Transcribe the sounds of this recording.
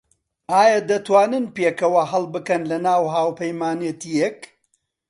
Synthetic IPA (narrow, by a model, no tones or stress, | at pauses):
aːjad̪ɐt̪waːnɨnpeːkɐwɐɦɐlˠbɨkɐnlɐnaːwɦaːwpʰɐjmaːnjet̪ijek